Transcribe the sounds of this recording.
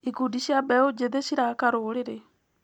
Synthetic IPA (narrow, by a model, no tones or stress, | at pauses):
iɡudiʃjabɛod͡ʒeðeʃiɾakaɾoɾeɾe